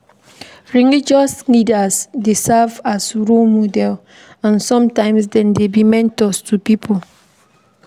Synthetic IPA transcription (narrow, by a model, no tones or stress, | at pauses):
ɹiŋid͡ʒɔslidasdesavasɹulmodɛl | ãnsɔ̃mtãɪ̃ms̬dɛ̃ndebimɛ̃ntɔstʰupipʰol